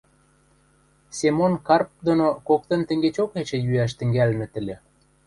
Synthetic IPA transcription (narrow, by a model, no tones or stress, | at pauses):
semonkɑrp̚d̪onokok̚t̪ə̆nt̪ə̆ŋɡet͡ɕoket͡ɕĕjyæʃ̬t̪ɘ̆ŋɡælmĕt̪ɘ̆lʲĕ